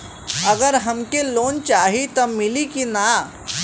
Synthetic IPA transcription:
ɐɡəɾɦɐmkeloːnt͡ʃaːɦit̪ɔmɪlikina

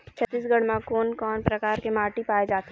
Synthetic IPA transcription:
t͡ʃʰɐt̪ːiːsɡɐɽmãkoːnkɔːnpɾɐkaːɾkemaːʈipaːed͡ʒaːt̪

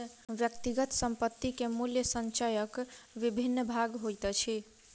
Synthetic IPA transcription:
ʋjəkt̪iɡət̪səmpət̪ːikemuljəsənt͡ʃajəkʋibʱinːəbʱaɡɦojt̪ət͡ʃʰi

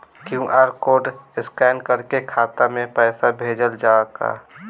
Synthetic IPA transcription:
kjũːʔaːɾkoːɖɪskɛːnkəɾkekʰaːt̪amẽpɛːsabʱeːd͡ʒəld͡ʒaːka̰ː

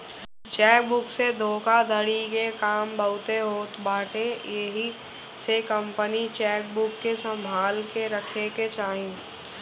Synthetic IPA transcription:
t͡ʃɛːk̚bʊksed̪ʱoːkad̪ʱəɽikekaːmbəʊt̪eɦoːt̪baːʈejeɦi | sekə̃mpənit͡ʃɛːk̚bʊkːesə̃mbʱaːlkeɾəkʰeket͡ʃaːɦẽː

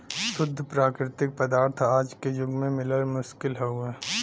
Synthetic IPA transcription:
sʊd̪ʱːəpɾaːkɾɪt̪ɪk̚pəd̪aːɾt̪ʰaːd͡ʒkejʊɡmẽmɪləɾmʊʃkɪlɦouɛː

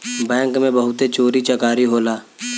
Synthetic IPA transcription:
bɛ̃ːŋkmẽbɐɦʊt̪et͡ʃoːɾit͡ʃəkaːɾiɦoːlaː

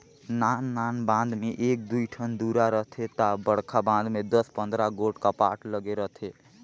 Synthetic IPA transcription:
nanːanbãnd̪meʔek̚d̪uiʈʰənd̪uɾaɾəɦt̪ʰet̪abəɽkʰabãnd̪med̪əspə̃nd̪ɾaɡoʈkapaʈləɡeɾəɦt̪ʰe

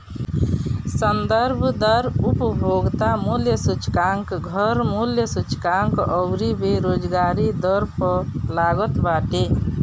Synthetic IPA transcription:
sənd̪əɾbʱd̪əɾupbʱoɡt̪amuljəsut͡ʃkaŋkɡʱəɾmuljəsut͡ʃkaŋkɔʊɾibeɾoːd͡ʒɡaːɾid̪əɾpəlaːɡət̪baːʈe

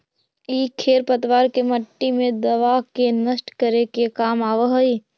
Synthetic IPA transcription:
iːkʰeːɾpət̪ʋaːɾkeməʈːimẽd̪ɐʋakenəsʈkəɾekekaːmaːʋəɦəi

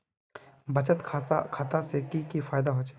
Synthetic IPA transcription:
bɐt͡ʃət̪kʰakʰaːt̪asekikifaːɪd̪aɦoːt͡ʃe̥

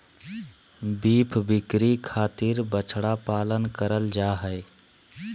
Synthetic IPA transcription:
biːpʰbɪkɾikʰaːt̪ɪɾbət͡ʃʰɽapaːlənkəɾəld͡ʒaːɦɛɪ

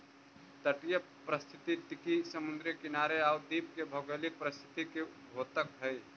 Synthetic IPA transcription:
t̪əʈjə | pɾəst̪ʰɪt̪it̪ɪkisəmʊnd̪ɾjəkɪnaːɾeaʊd̪iːp̚kebʱəɡəlik̚pɾəst̪ʰɪ̥t̪ikebʱoːt̪əkɦəj

